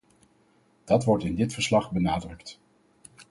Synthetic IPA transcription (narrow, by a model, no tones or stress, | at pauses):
d̥ɑtʋɔɹtɪndɪtfəɹslɑχbənaːdrɵkt